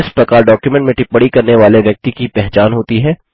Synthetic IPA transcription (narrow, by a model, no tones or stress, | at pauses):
ɪspɛkaːlɖɔːkjumɛ̃ɳʈmẽʈɪpːəɽikɐɾneʋaːleʋjɐk̚t̪ikipɛɦt͡ʃaːnɦoːt̪iɦɛː